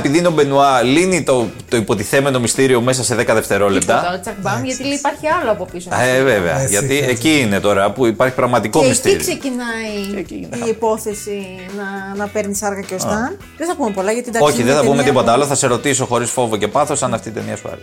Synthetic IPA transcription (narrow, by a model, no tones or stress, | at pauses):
epiðinobe̞nuɐlinit̪ot̪o̞ipo̞t̪iθe̞me̞no̞mist̪iɾio̞me̞s̬ɐse̞ðekɐðeft̪e̞ɾo̞le̞p̚t̪ɐot̪it͡sɐkbɐmʝɐt̪ilipɐɾçiɐloɐpo̞pisoeveveɐ̰ʝɐt̪ieciːne̞t̪o̞ɾɐpuipɐɾçi̥pɾɐɣmɐt̪iko̞mist̪ɾikosecinɐiipo̞θesi | nɐnɐpeɾnisɐɾɣɐceost̪ɐ | ðeθɐkumepolɐʝɐt̪id̪ɐo̞çiðeθɐpumed̪ipot̪ɐlo̞θɐse̞ɾo̞t̪iso̞xo̞ɾisfo̞voce̞pɐθo̞sɐnɐft̪it̪emiɐ̰sufɐ̰ɾḭ